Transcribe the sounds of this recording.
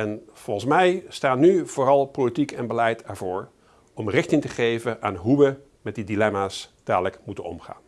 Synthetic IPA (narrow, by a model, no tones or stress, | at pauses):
ɛnv̥ɔlˠnsmɛjstaːnːyv̥ʊːrɑlˠpolitikɛnbəlɛjtɛɹvʊːɹ | ɔmrɪχtɪŋtəχejvəʔaːnɦuʋə | mɛt̚didilɛmaːsd̥aːdələkmutənɔ̰mχa̰ːn